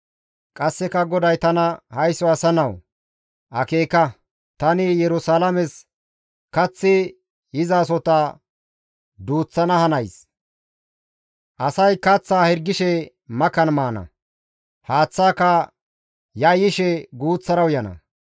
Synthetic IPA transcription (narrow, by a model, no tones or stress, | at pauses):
kʼɐsːɛkɐɡɔd̪ɐjt̪ɐnɐhɐjsːɔɐsɐnɐw | ʔɐ̰keːkɐ | t̪ɐnɪjɛɾʊsaːlɐmɛs | kɐt͡sːɪ | ɪzaːs̬ɔt̪ɐ | d̪uːt͡sːɐnɐhɐnɐjs | ʔɐsɐjkɐt͡sːaːhɛɾɡɪʃɛ | mɐkɐnmaːnɐ̰ | haːt͡sːaːkɐ | jɐjɪʃɛɡuːt͡sːɐɾɐwjɐnɐ̰